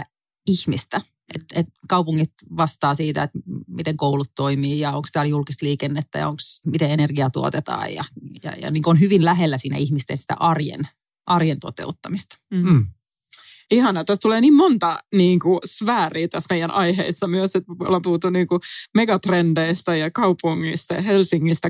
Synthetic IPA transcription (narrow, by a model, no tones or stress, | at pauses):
ihmist̪æ | ʔet̪et̪kɑupuŋːit̪ʋɑst̪ɑːsiːt̪æ̰et̪mit̪eŋkoulut̪toimiːjɑoŋkst̪æːljulkist̪liːkenːet̪ːæ̰jɑ̰oŋksmit̪eenerɡiɑt̪ṵo̰t̪et̪ɑ̰ːjjɑ̰jɑ̰jɑ̰niːŋkonhyʋinlæɦelːæsiːnæ̰ihmist̪ḛnsi̥t̪æ̰ʔɑrjḛn | ʔɑrjent̪o̰t̪ḛut̪ːɑmist̪ɑ̥ | ihɑnɑt̪æst̪uleːniːmmont̪ɑniːŋkusʋæːriːt̪æsmeijænʔɑiheisːɑmyøset̪o̰lːɑpuhːt̪uniːŋkumeɡɑt̪rendeist̪ɑjɑkɑupuŋːḭst̪ɑjɑhelsiŋːist̪æ